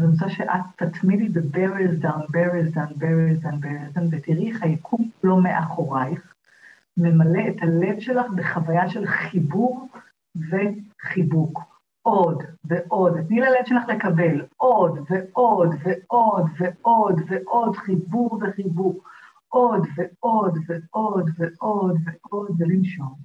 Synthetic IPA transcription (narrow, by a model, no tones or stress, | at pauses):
zenosaʃeʔatːat̪mididebeʁezdanbeʁezdanbeʁizdanbeizdanvetiʁiχhajakʰumlo̞meʔaχo̞ʁajχ | me̞male̞ethale̞vʃe̞laχbe̞χavajaʃe̞lχibuʁ | ve̞χibuk | ʔo̞dveʔo̞datnilalevʃelaχle̞kabe̞lʔo̞dveʔo̞dveʔo̞dveʔo̞dveʔo̞dχibuʁve̞χibuk | ʔo̞dveo̞dveodveʔo̞dveʔo̞dvelimʃo̞n